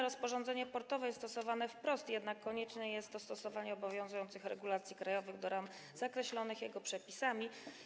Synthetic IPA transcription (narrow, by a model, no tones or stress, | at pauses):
ɾɔspɔʐɔnd̪zɛɲɛpɔɾt̪ɔvɛjɛst̪ɔsɔvanɛfpɾɔst̪jɛd̪nakːɔɲɛt͡ʂnɛjɛst̪ːɔst̪ɔsɔvaɲɛɔbɔvʲjɔ̃ñzujɔnt̪sɘxɾɛ̰ɡulat̪sʲjikɾajɔvɘɣd̪ɔɾam | zakɾɛɕlɔnɘxjɛɡɔpʂɛpʲisamʲi